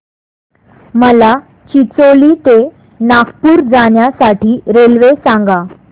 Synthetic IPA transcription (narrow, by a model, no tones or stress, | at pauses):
məla | t͡ɕit͡solit̪e | nakpuːɾd͡zaɳjasaʈiːɾelʋesãŋɡa